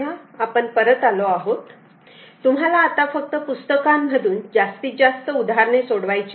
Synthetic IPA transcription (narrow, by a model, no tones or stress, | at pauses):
aapəɳpəɾət̪aloaɦot̪ː | um̤ɦalaːt̪afək̚t̪əpust̪əkam̤ːəd̪uːnd͡ʑast̪iːd͡zast̪əud̪aɾɳesoɽʋajt͡ɕ